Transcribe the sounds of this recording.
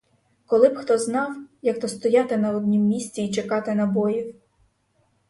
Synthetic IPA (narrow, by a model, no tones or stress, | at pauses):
kɔlˠɪbxt̪ɔznɑwjɐkt̪ɔst̪ɔjɑt̪ɪnɐɔd̪ʲnʲimːʲisʲt͡sʲiːt͡ʃekɑt̪ɪnɐbɔjiw